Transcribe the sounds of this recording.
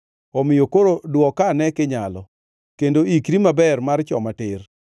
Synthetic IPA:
ɔmɪjokoɾodwɔkanɛkɪɲalɔ | kendoikɾimabɛrmart͡ʃɔ̰matɪr

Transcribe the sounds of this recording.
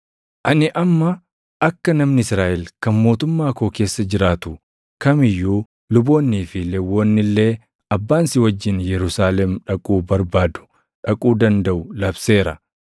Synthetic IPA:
ʔɐnɪʔɐmːɐ | ʔɐkːɐnɐmnɪɪsɾaːʔɛlkɐnmo̞ːt̪ʊmːaːko̞ːke̞ːsːɐd͡ʒɪɾaːt̪ʊ | kɐmɪjːuː | lʊbo̞ːnːiːfɪlɛwːoːnːɪlːe̞ː | ɐbːaːnsɪwɐd͡ʒːɪnjɛɾʊsaːlɛmᶑɐkʼuːbɐɾbaːd̪ʊ̥ | ᶑɐkʼuːd̪ɐnd̪ɐʔʊlɐbse̞ːɾɐ

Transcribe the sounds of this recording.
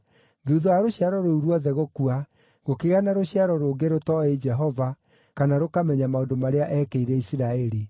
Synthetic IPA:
ðuðɔaɾoɕiaɾɔɾouɾwɔðɛɣokua | ɣokeɣanaɾoɕiaɾɔɾoɡeɾotɔed͡ʒɛɦɔva | kanaɾokamɛɲamaondomaɾeaʔɛkeiɾɛisiɾaɛɾi

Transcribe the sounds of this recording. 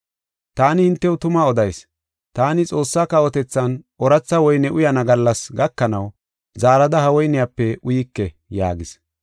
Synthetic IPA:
t̪aːnɪhɪnt̪ːɛwʊt̪ʊmaɔd̪ɐjs | t̪aːnɪt͡sʼo̞ːsːaːkɐwɔt̪ɛt͡sːɐnʔɔɾɐt͡sːɐwɔjnɛʔʊjɐnɐɡɐlːɐsɡɐkːɐnɐw | zaːɾɐd̪ɐhɐwɔjnɪjapːɛʊjɪkːɛ | ja̰ːɡɪs

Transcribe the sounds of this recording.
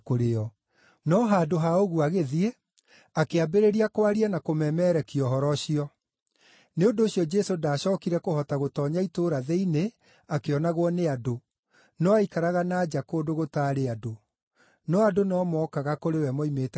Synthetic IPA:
koɾeɔ | nɔɦaːdoɦaoɣuaɣeðie | akeabeɾeɾiakoaɾianakomɛmɛɾɛkiɔɦɔɾɔɕiɔ | neondoːɕiɔd͡ʒɛsodaːɕɔːkiɾɛkohɔtaɣotɔːɲaitoːɾaðɛine | akeɔnaɣwɔneado | nɔaikaɾaɣanaːd͡ʒakoːdoɣotaːɾeado | nɔadonɔmɔkaɣakoɾewɛmɔimeːtɛ

